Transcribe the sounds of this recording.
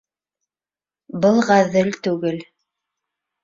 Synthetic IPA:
bɤlˠʁæðɘlt̪ʉɡɘl

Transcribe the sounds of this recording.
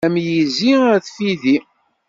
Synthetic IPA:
æmjiziæθfiði

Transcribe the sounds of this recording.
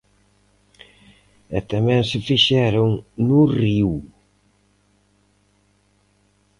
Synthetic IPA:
ɛt̪amɛ̃ŋsɪfiʃɛɾʊŋnʊriw

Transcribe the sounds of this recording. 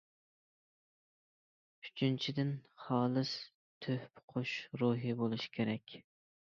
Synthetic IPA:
yt͡ʃʰynt͡ʃʰid̪ɪnχɑːlˠɨs | t̪ʰøhpʰʊ̥qʰʊʃɾuɦibolˠuʃkʲʰeɾɛkʲ

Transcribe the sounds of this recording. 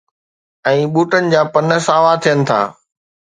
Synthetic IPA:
ɛ̃ːɓuːʈənɪ̆d͡ʑaːpɐnəsaːʋat̪ʰijənɪ̆t̪ʰa̰ː

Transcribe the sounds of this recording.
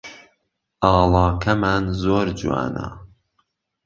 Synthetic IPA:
ʔɑːlɑːkʰɐmaːnzoːɾd͡ʒuwa̰ːnɐ̰

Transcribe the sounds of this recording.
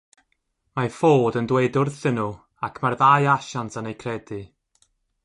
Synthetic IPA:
mafoːdəndwedʊrθɪnʊ | akʰmarðajaʃantʰanejkʰrɛdɨ

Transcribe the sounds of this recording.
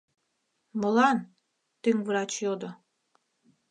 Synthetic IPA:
mɤ̆lɑn | t̪yŋvɾɑt͡ɕjod̪o

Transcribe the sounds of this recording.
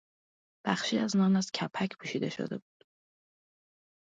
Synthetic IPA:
b̥æxʃiːæznɒːnæscʰæpʰːæcʰpʰuːʃiːd̪e̞ʃo̰d̪e̞̰buːd̪̥

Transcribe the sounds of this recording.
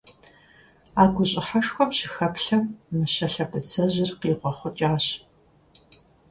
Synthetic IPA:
aːɡʷʊɕʼɪħɐʂxʷɔmɕɪxɐpɬɐmːɨɕɐɬɐpʰɨt͡sʰɐʑɪrqiːqʷɔχʷʊt͡ʃʼaːɕ

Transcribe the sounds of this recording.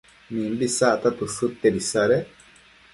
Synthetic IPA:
nĩmbisat̪at̪usut̪ːeɾisaɾe

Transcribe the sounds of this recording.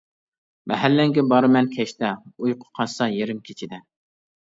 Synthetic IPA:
mʔɛɦælːɪŋɡʲɛbɑɾɨmɛnkʲʰɛʃt̪ɛujqʰʊ̥qʰɑsɑjeɾɪmkʲʰe̥t͡ʃʰid̪ɛ

